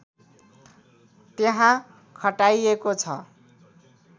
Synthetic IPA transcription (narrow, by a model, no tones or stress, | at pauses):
t̪eɦã | kʰʌʈajekot͡sʰʌ